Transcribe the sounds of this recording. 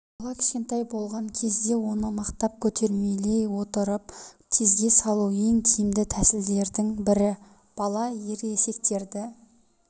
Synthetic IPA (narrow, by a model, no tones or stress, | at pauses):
bɑlˠɑkʲʰɪ̥ʃkʲe̞nt̪ɑjbo̞lˠʁɑŋkʲʰe̞zd̪e̞wo̞nəmɑqt̪ɑp̚kʲʰɵt̪ʰe̞ɾme̞le̞jwo̞t̪əɾəp̚ | t̪ʲʰezɡʲe̞sɑlˠuwe̞ŋt̪ʲʰijɪmd̪ɪt̪ʰæsɪld̪e̞ɾd̪ɪŋbɪɾɪ | b̥ɑlˠɑje̞ɾese̞k̚t̪e̞ɾd̪ɪ